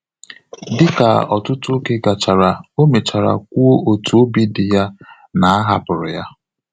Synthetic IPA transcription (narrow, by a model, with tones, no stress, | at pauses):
dɪ˦ka̰˨ɔ˨tʊ˦tʊ˦o˦ke˦ɡa˨t͡ʃa˨ɾa˨o˦me˨t͡ʃa˨ɾa̰˨kʷu˦o˦o˨tu˨o˦bi˦dɪ˨ja˦ | na˨a˦ɦa˦pʊ˨ɾʊ˨ja˦